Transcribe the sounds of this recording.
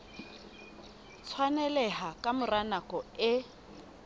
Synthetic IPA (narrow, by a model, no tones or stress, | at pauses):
t͡sʰwanɛlɛhakʼamʊranakʼɔɪ